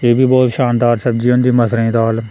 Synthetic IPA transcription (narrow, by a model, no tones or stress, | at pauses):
eːbʱiːbɔːt̪ʃaːnd̪aːɾsəb̚d͡ʒiːʊnd̪iːməsɾĩːd̪aːl